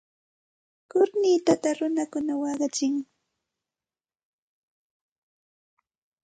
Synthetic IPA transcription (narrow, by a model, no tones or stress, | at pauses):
kʊɾnɪt̪at̪aɾʊnakʊnawɑɢɑt͡ʃɪŋ